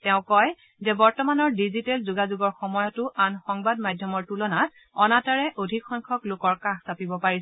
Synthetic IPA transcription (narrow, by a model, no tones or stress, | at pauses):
tɛʊ̃kɔj | zɛbɔɹtɔmanɔɹdizitɛlzuɡazuɡɔɹxɔmɔjɔtʊʔanxɔŋbadmajdʱjɔmɔɹtulɔnat̚ | ɔnataɹɛʔodʱikʰxɔŋkʰɔklʊkɔɹkaxsapibɔpaɹis